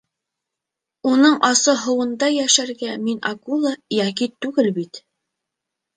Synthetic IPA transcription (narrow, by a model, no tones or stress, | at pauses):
unɤɴʔɑsɤɦɤ̆wɤ̆nd̪ɑjæʃæɾɡæminɑkulˠɑjækit̪ʉɡɘlbit̪